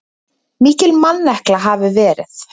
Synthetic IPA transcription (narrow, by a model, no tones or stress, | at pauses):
miːcɪlmanːɛhklaɦaːvɪvɛːɾɪ̰θ